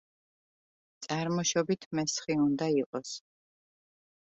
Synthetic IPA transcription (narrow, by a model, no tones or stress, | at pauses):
t̪sʼaɾmɔʃɔbit̪ʰmɛsχiund̪aiqʼɔs